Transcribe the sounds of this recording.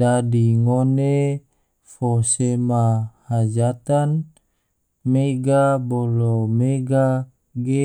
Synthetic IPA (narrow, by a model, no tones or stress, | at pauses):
dadiŋone | fosemahad͡ʒat̪an | meɡabolomeɡa | ɡe